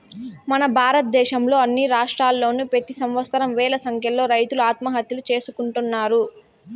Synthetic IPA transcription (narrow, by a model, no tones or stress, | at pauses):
mɐnɐbʱaːɾɐt̪̚d̪ɛːʃɐmlo̞ːɐnːiɾaːʂʈɾaːlːo̞ːnupet̪isɐmʋɐst̪ɐɾɐmʋɛːlɐsɐŋkjɐlo̞ːɾɐjt̪uluaːt̪mɐɦɐt̪julut͡ʃe̞ːsukuɳʈunːaːɾu